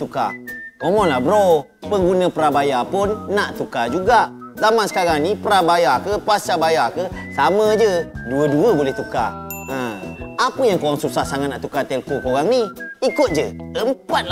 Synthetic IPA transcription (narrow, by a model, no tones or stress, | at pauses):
t̪uka̰omɔnlahbəɾo | pəŋɡunə̃pəɾabajapʊnːaʔt̪ukad͡ʒuɡaʔ | zamansə̥kaɾaŋnipəɾabajakəpasabajakə | samə̃d͡ʒəduəduəbolɛht̪uka̰ə̃apəjaŋkoɣaŋsusasaŋat̪na̰ʔt̪ukat̪ɛlkokoɣaŋniikʊt̪̚d͡ʒəəmpat̪̚l